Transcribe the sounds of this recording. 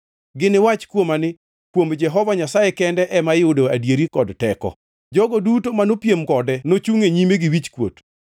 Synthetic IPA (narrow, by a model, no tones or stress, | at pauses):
ɡɪnɪwat͡ʃkwomanɪ | kwomd͡ʒɛɦɔvaɲasajekɛndɛʔɛmajodoadjeɾikɔdtɛkɔ̰ | d͡ʒɔɡɔdutomanopjemkɔdɛnot͡ʃuŋeɲimeɡɪwit͡ʃkwo̰t